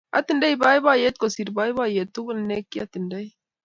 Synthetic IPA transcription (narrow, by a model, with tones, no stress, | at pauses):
a̰˦t̪i˦˨nda˦iba˦i˦βa˦je˦t̪̚kɔ˨si˨ɾba˦i˦βa˦je˨t̪ːu˦ɣn˨ne˦kːi˦a˦t̪i˨nda˦i˦